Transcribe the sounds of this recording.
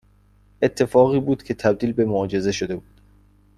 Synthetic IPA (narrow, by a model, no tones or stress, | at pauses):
ʔe̞t̪ʰːe̞fɒːɣiːbuːd̪̥cʰe̞t̪ʰæb̚d̪iːlbe̞moːd͡ʒe̞ze̞ʃod̪e̞buːd̪̥